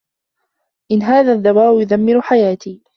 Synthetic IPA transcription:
ʔɪnːɦaːðaːðːawaːʔjʊðamːɪɾħajaːt̪iː

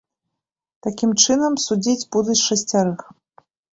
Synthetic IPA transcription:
t̪akʲimt͡ʂɨnɐmsud͡zʲid͡zʲbud̪uʂɐsʲt͡sʲaɾɨx

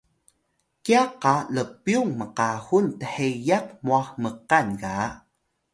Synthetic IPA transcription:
kiaqːaləpːjuŋməqahuntəħejaqmuaxməqanɡa

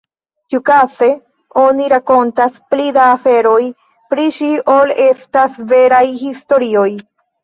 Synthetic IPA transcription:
tiukase̞ | o̞niɾako̞ntasplid̪aːfe̞ɾo̞j | pɾiʃiolestasve̞ɾajhisto̞ɾio̞j

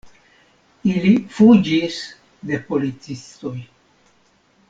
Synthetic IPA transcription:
ilifud͡ʒis | d̪e̞po̞lit͡sist̪o̞j

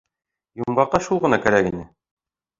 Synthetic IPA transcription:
jumɢɑqːɑʃulˠʁɤ̆nɑkæɾækinɘ

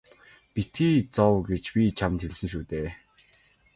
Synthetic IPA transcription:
pit̪iːt͡sɔwɡet͡ɕpʲit͡ɕʰamt̪xeɮsɘ̆ŋʃuːt̪eː

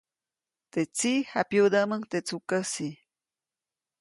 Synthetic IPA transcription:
t̪et͡sixapjud̪amaŋt̪et͡sukasi

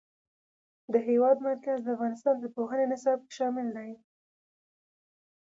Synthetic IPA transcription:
d̪əɦewɑd̪maɾkazd̪əafɣɑnɪst̪ɑnd̪əpoɦənenɪsɑb̚ke̥ʃɑmɪld̪aj

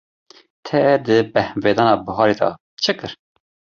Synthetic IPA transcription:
t̪ʰɛd̪ɨbɛhveːd̪ɑːnɑːbəɦɑːɾed̪ɑ̰ | t͡ʃʰɨkɨɾ

